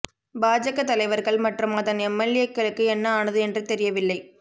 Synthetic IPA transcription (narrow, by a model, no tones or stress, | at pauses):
baːd͡ʒɐɣɐt̪ːɐlɐɪʋɐɾɣɐɭmɐʈrɯmɐðɐnɛmːɐlːɪjɐkːɐɭɯkːɯɛnːɐaːnɐðɯɛndrɯt̪ɛɾɪjɐʋɪlːɐɪ